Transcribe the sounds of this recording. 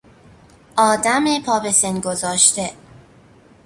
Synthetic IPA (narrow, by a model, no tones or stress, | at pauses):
ʔɒːd̪æmepʰɒːbesenɡozɒːʃt̪e